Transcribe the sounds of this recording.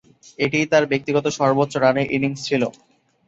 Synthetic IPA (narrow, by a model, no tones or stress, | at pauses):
eʈit̪aɾbek̚t̪iɡɔt̪oʃɔɾbotːɕoɾaneɾʔiniŋst͡ɕʰilo